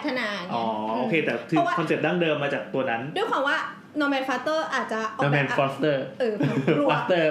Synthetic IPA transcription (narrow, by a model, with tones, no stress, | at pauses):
a˦t̪ʰa˧naː˧ʔɔː˨˩˦ʔoː˧˩kʰeː˧t̪ɛː˨˩t̪ʰɯː˧wakʰɔ˧nse˨˩p̚daː˥˩ŋdɤː˧mːaː˧t͡ɕaː˨˩k̚t̪u˧ɐna˦˥ndu˧əjkwaː˧mwaː˥˩ | nɔ˧mɛː˧nfaː˦˥t̪ɤː˥˩ʔaː˨˩t̪̚t͡ɕa˨˩ʔɔ˦nɔ˧mɛː˧nfɔː˦˥st̪ɤː˥˩ʔɤː˧˩˧a˦˥st̪ɤː˥˩